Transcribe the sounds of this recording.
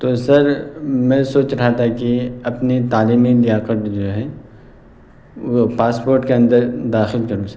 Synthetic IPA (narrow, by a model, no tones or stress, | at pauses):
t̪oːsɐɾmɛ̃ːsoːt͡ʃɾɐɦat̪akiɐpnit̪aːliːmid̪ijaːqəʈd͡ʒoːɦɛ | paːspoːɾʈkeɐ̃nd̪əɾd̪aːxɪlkɐɾus